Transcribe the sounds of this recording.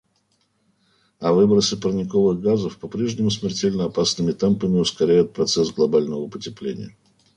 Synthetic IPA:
ɐvɨbəɾəsəpərnʲɪkovɨɣɡazəfpɐpɾʲeʐnʲɪmʊs̬mʲɪrtʲelʲnəɐpasnɨmʲɪt̪ɛmpəmʲɪʊskɐɾʲæjʊt̪̚pɾɐt̪sɛsɡlˠɐbalʲnəvəpətʲɪplʲḛnʲɪ̰jə

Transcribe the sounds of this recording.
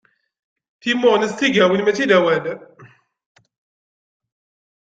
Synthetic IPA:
θimʊʁnəst̪iɡæwinmæt͡sːiðæwæl

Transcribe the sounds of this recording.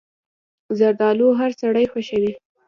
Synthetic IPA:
zaɾd̪ɑloɦaɾsaɽəjxaʃawi

